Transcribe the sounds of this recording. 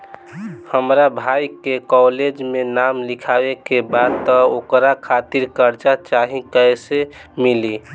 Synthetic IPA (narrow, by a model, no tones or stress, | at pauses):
həmɾabʱajkekɔled͡ʒmenamlikʰawekebad̪̚t̪ɔokɾakʰat̪iɾkəɾt͡ʃat͡ʃaɦikəesemili